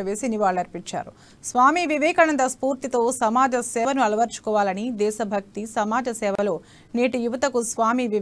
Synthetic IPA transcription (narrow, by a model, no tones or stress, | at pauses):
ɐʋe̞ːsiniʋaːɭːɐɾpiɲt͡ʃːa̰ːɾu | sʋaːmiʋiʋɛːkɐnɐnd̪ɐspuːɾt̪it̪o̞ːsɐmaːd͡ʒɐsɛːʋɐnuɐlɐʋɐɾt͡ʃu̥kɔːʋaːlɐnid̪ɛːʃɐbʱɐk̚t̪isɐmaːd͡ʒɐsɛːʋɐloː | neːʈijuʋɐt̪ɐkusʋaːmiʋiʋ